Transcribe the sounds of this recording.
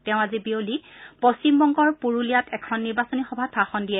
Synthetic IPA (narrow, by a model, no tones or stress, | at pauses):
tɛʊ̃azibiolipɔst͡ɕimbɔŋɡɔɹpuɹulijatɛkʰɔnːiɹbasɔnixɔbʱatʰaxɔndijɛ